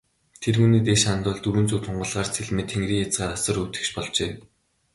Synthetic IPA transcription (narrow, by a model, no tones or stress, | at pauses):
t̪ʰerxuniːt̪eʃant̪ʊːɮt̪uɾɵ̆nt͡suːt̪ʰʊɴɢɞ̆ɮʁaːrt͡sʰeɮmĕt̪ʰːeŋɡriːŋjat͡sɢaːɾasə̆rut̪ɘ̥̆kt͡ɕpɔɮt͡ɕeː